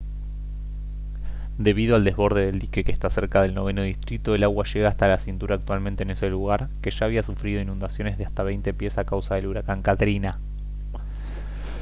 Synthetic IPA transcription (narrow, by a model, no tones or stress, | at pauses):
d̪e̞β̞iðoald̪e̞zβo̞ɾð̞eðe̞ld̪ike̞kest̪ase̞ɾkaðe̞lno̞βe̞noðist̪ɾit̪oelaɣwaʃe̞ɣaːst̪alasint̪uɾaːk̚t̪walmẽnt̪ene̞seluɣaɾ | ke̞ʒ̥aːβiasufɾiðo̞inũnd̪asjo̞ne̞zðeast̪aβ̞ejnt̪e̞pje̞sakawsaðe̞luɾakaŋkat̪ɾina